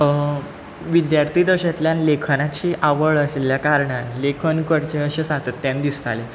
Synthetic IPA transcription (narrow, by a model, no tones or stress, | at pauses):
ʋid̪jaɾt̪ʰid̪əɕat̪ljanlekʰənat͡ɕiːʔaʋəɭəɕeljakaɾɳanlekʰənkəɽt͡ɕeəɕesat̪ət̪ːjand̪ist̪ʰale